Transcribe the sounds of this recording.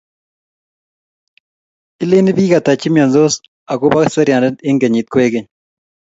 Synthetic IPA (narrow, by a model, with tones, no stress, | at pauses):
ɪ˦le˦nɪ˦biː˦ɡa˨t̪a˨t͡ʃɪ˦mja˨nzo˦s | a˨ɡo˦ba˦ksɐ˦ɾja˨nɛ˦nɪ˦ŋɡe˨ɲi˨t̪̚kwe˦ɡe˦˨ɲ